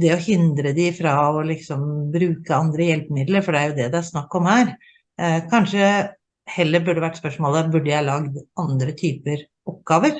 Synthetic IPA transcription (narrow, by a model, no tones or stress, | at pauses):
d̪ɛɔhɪnd̪ɾəd̪ɪfɾɑɔlɪksɔmbɾʉːkəɑnd̪ɾəjɛlpəmɪd̪ləɾfɔɖɛæɾjʊd̪ɛd̪ɛæɾʂnɑkːɔmhæːɾ | kʰɑnʂə | hɛlːəɾbʉɖːɛʋæʈːspœʂmoːlæɾbʉɖːəjæɑlɑɡd̪ɑnd̪ɾət̪ʰyːpəɾ | ɔp̚ɡɑːʋəɾ